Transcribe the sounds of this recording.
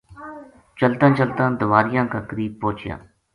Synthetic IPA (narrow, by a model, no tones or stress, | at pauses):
t͡ʃəlt̪ãːt͡ʃəlt̪ãːd̪ʊʋaːɾɪjãːkaːkəɾiːb̚poːt͡ʃɪjã̰ː